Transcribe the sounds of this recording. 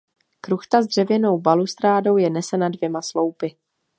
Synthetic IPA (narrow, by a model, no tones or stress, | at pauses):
kɾuxt̪azd̪r̝̥ɛvjɛno̞wbalust̪ɾaːdo̞wjɛnɛsɛnadvjɛmaslo̞wpɪ